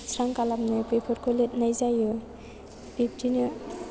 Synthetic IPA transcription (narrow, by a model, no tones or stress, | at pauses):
sʰɾaŋkalap̚nɯpʰɯjpʰɔɾkʰɔlet̚najzajɯ | b̥ip̚tʰinɯ